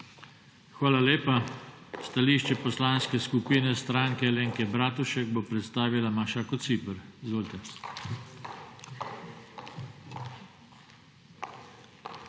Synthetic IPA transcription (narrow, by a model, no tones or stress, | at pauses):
xʋaːlaleːpast̪aliːʃt͡ʃɛpɔslaːnskɛskupiːnɛst̪ɾaːŋkɛleːŋkɛbɾaːt̪uʃɛɡbopɾɛt̪st̪aːʋilamaʃakɔt̪siːpəɾizʋoːlt̪ɛ